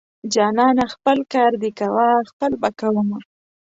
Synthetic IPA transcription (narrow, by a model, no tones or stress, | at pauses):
d͡ʒɑnɑnaxpəlkɑɾd̪ikawaxpəlbakawəma